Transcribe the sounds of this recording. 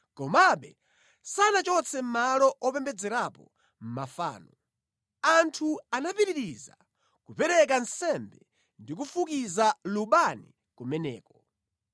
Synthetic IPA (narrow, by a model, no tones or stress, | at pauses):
kɔmaɓɛ | sanat͡ʃɔt͡sʰɛm̩malɔʔɔpɛmbɛd͡zɛɾapɔ̰ | m̩mafa̰ːnɔ | antʰuanapiɾiɾiza̰ | kupɛɾɛk̬ansɛmbɛ | ndik̬ufukizaluɓani | kumɛnɛ̰ːkɔ